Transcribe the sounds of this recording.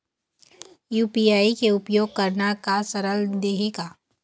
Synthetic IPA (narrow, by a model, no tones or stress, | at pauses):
juːpiːaːikeʊpjoːɡ̚kɐɾnakasɐɾəld̪eːɦeːɡaː